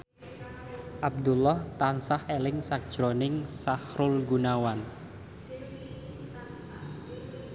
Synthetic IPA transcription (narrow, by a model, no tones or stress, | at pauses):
ʔab̚d̪ulɔht̪ansahelɪŋsak̚d̥ʒ̥ɾonɪŋsahɾʊlɡunawan